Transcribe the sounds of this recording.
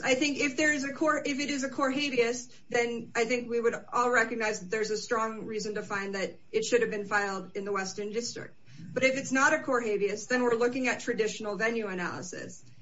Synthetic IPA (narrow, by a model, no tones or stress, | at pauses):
aɪθɪ̃ŋkɪfðə˞ɨzɨkʰɔɹɪfɨɾɨzɨkʰɔɹɦeɪbiɨs | ðɨ̃naɪθɪ̃ŋkwiwəɾʔɔlˠɹɛkɨɡ̚naɪzðɨt̪̚ðə˞zɨstɹ̥ɔ̃ŋɹizɨ̃ntɨfãɪ̃nðɨɾ | ɨtʃʊɾɨvbɨ̃nfaɪlˠdɨ̃nðəwɛstə̃˞ndɪstɹ̥ɪ̰k̚t̚ | b̥ʌɾɨfɨtsnəɾɨkʰɔɹɦeɪbiɨsðɨ̃nwɪɹlʊkɪ̃ŋɨtʰɹ̥ɨdɪʃn̩l̩ˠvɛ̃njʉɨnæ̰lˠə̰sɪ̰s